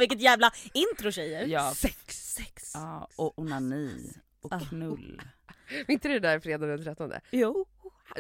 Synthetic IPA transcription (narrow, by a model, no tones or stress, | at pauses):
vɪkːət̪jæːvlaɪnt̪ɾʊʃɛjəɾjɑːsɛksɛɑːɔʊnanḭː | ʔɔnɵlː | vɪnt̪ədɛd̪æɾfɾeːd̪anənt̪ʰɾɛt̪ːɔnd̪ə̰ju